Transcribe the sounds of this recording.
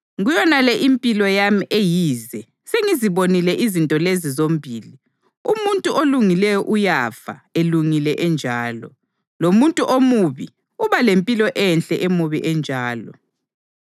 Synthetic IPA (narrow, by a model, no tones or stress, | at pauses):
ɣujɔnalɛʔimpʼilɔjamiʔejiːzɛ | seŋiziβonilɛʔizintʼɔlezizom̩bʱiːli | umuntʼuʔoluŋilɛjɔʔujafa̰eluŋilɛʔɛnd͡ʒʱaːlɔ̰ | lomuntʼuʔomuβḭ | uβalempʼilɔʔɛnɬʼɛʔemuβiʔɛnd͡ʒʱaːlɔ̰